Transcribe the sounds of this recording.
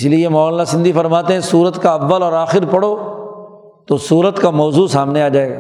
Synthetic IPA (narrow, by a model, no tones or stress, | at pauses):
ɪsliemɔːllasɪ̃nd̪ʱifɐɾmaːt̪eɦɛ̃suːɾət̪kaɐʋːəlɔːɾaːxɪɾpɐɽoː | t̪osuːɾət̪kamɔːzuːsaːmneaːd͡ʒaːeːɡaː